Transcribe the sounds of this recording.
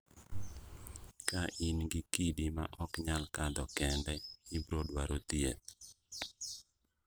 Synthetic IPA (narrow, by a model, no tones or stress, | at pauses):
kaʔinɡikidima̰ʔɔkɲalkad̪ɔkɛndɛibɾodwaɾot̪iet